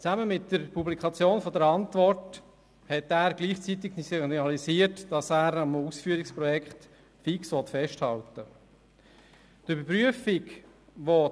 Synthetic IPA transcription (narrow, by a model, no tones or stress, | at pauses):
t͡saməmɪtd̥əɾpʰublikʰɑt͡sjoːnfɔdəɾɑntvɔrt | hɛtæːɾɡliːχt͡sit̪̬ɪksinɑlisiːətd̥ɑsæːɾɑmusfyːəɾikspɾɔjɛkχt | fiksʋɔt̪fɛʃthɑltə | tʏbəɾpɾyəfɪɡ | ʋo